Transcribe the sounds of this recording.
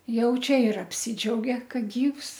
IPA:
ˈjɛʊ ˈt͡ʃʲɛ ɪr ɐpʲˈsʲɪd͡ʒʲɛʊɡʲɛ ˈkɐ ˈɡʲiːws

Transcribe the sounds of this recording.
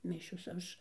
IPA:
ˈmʲɪʃʲoːs ˈɐʃ

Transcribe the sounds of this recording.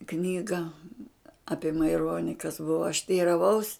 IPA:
ˈknʲiːɡɐ ˈɑːpʲiɛ mɐɪˈroːnʲɪ kɐs ˈbʊʋoː ɐʃ tʲɛɪrɐˈʋɐʊs

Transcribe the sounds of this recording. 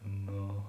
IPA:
ˈnoː

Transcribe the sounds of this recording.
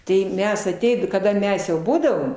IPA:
tɐɪ ˈmʲɛs ɐˈtʲɛɪt kɐˈdɐ ˈmʲɛs jɛʊ ˈbuːdɐʋoːm

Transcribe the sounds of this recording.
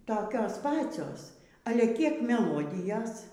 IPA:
toːˈkʲoːs ˈpɑːt͡sʲoːs ˈɑːlʲɛ ˈkʲiɛk mʲɛˈlˠoːdʲɪjɛs

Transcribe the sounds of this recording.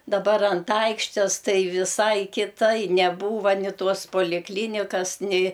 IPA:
dɐˈbɐr ɐnt ˈɐɪkʃʲtʲeːs ˈtɐɪ ʋʲɪˈsɐɪ kʲɪˈtɐɪ nʲɛˈbuːʋɐ nʲɪ ˈtoːs poːlʲɪkˈlʲiːnʲɪkɐs nʲɛɪ

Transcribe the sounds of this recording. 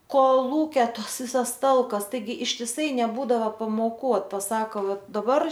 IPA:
koːˈlˠuːkʲɛ ˈtɐs ˈʋʲɪsɐs ˈtɐlˠkɐs ˈtɐɪɡʲɪ ɪʃʲtʲɪˈsɐɪ nʲɛˈbuːdɐʋɐ pɐmoːˈkuː oːt pɐˈsɑːkoː ˈʋɐ dɐˈbɐr

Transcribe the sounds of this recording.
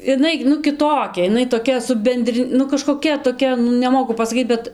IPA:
ɪˈnɐɪ nʊ kʲɪˈtoːkʲɛ ɪˈnɐɪ toːˈkʲɛ sʊ ˈbʲɛnʲdʲrʲɪ nʊ kɐʃkoːˈkʲɛ toːˈkʲɛ nʊ nʲɛˈmoːkʊ pɐsɐˈkʲiːt bʲɛt

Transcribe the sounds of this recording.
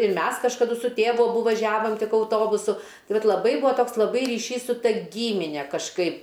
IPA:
ɪr ˈmʲɛs kɐʃkɐˈdʊ sʊ ˈtʲeːʋʊ ɐˈbʊ ʋɐˈʒʲæːʋoːm ˈtʲɪk ɐʊˈtoːbʊsʊ ˈtɐɪ ˈʋɐt lˠɐˈbɐɪ ˈbuɔ ˈtoːks lˠɐˈbɐɪ rʲiːˈʃʲiːs sʊ ˈtɐ ˈɡʲiːmʲɪnʲɛ kɐʃˈkɐɪp

